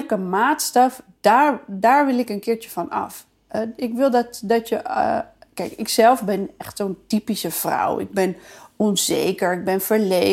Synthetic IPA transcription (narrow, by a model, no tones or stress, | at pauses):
kəmaːtstɑfd̥aɹdaːɹʋɪlˠɪkənkɪːɹt͡ʃəfɔnɑ̰f | ɪkʋɪlˠdɔtdɔtjə | kɛjkɪksɛlˠfbɪnɛχtsoːntipisəfra̰wɪ̰ɡ̚bɪnunzḛːkəɹɪɡ̚bɪnfəɹle